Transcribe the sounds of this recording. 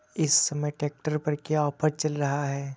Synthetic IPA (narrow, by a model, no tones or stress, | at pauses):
ɪsːɐməjʈeːk̚ʈəɾpɐɾkjaɔːpʰəɾt͡ʃɐlɾɐɦaɦɛː